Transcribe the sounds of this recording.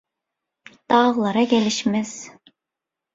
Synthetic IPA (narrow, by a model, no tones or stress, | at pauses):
t̪ɑʁlˠɑɾɑkʲelɪʃmɛz̥